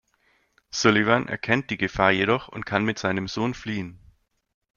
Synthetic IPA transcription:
sʊlivanʔɛ̰ɐkʰɛnt̚d̥iːɡəfaːɐjeɾɔχʊ̰nt̚kʰanmɪtz̥aɪnəmzoːnfliːən

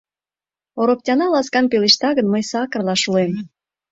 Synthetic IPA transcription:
oɾoptʲɑnɑlɑskɑnpeleʃt̪ɑɣənməjsɑkərlɑʃuem

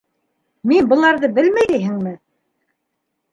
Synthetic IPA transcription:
minbɤ̆lˠɑɾðɤbɘlmæjijɦɘ̆ŋmɘ

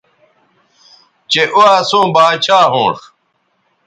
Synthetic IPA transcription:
t͡ɕeʔuaːsõːbaːt͡ɕʰaːɦõ̰ːʂ

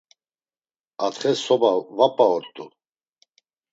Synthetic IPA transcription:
at̪ʰχɛsɔbavapʼaɔɾt̪ʼu

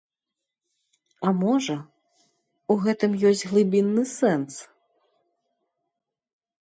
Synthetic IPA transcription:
amɔʐɐ | uɣɛt̪ɨmjɔsʲt͡sʲɣlˠɨbʲinːɨsɛns

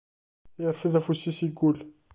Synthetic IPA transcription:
jəɾˤfiðæfusisiɡʊl

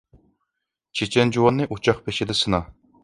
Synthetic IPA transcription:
t͡ʃʰet͡ʃʰɛnd͡ʒuwɑnːɨʔut͡ʃʰɑχpʰeʃɪd̪ɪsɨnɑ

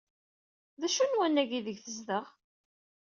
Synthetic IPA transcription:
ðæʃunwænːæʝiðəʝθəzðəʁ

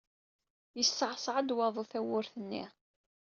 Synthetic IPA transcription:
jəsːʕsˤʕəd̪wɑðˤuθæwʊɾθənːḭʁ

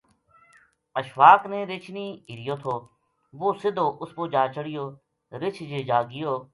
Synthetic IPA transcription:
əʃʋaːknẽːɾɪt͡ʃʰniːiɾɪjoːt̪ʰoː | ʋoːsɪd̪oːʔʊskoːd͡ʒaːt͡ʃəɽɪjoː | ɾɪt͡ʃʰd͡ʒeːd͡ʒaːɡɪjoː

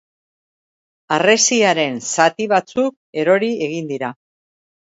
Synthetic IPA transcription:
are̞siaɾe̞nsat̪iβ̞at͡suk | e̞ɾo̞ɾie̞ɣind̪iɾa

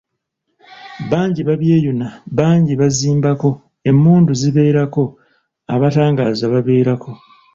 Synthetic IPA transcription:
βaːɲɟiβaβje̞ːjunaβaːɲɟiβaziːmbako̞ | e̞mːuːnduziβe̞ːɾako̞ | a̰βataːŋɡaːzaβaβe̞ːɾako̞

